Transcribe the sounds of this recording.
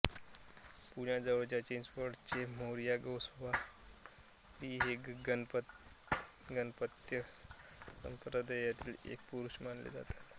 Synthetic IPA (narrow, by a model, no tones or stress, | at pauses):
puɳjad͡zəʋəɽt͡ɕjat͡ɕend͡zʋəɾɽt͡semoɾijaɡəwsʋa | ʋiːɦeɡɡnp | ɡənpət̪jə | sə̰mpɾəd̪əjat̪iːlḛk̚puɾuɕmanlḛd͡za̰t̪ḁt̪